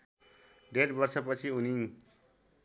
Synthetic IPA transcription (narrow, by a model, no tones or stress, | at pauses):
ɖeʈbʌrsʌpʌt͡sʰiuniŋ